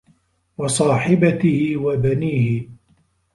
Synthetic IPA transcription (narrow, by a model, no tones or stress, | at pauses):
wɑsˤɑːħɪbat̪ɪhɪwabaniːhɪ